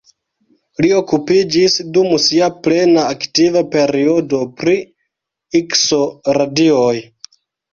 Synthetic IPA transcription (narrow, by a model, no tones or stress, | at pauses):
lio̞kupid͡ʒisdumsiaple̞naːktivape̞ɾiodo̞pɾi | ikso̞ɾadioj